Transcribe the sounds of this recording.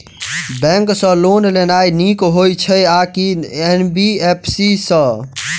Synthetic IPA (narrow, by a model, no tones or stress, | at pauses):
bɛ̃ŋksə̃lonlenajnikɦojt͡ʃʰəakienbiepʰsisə̃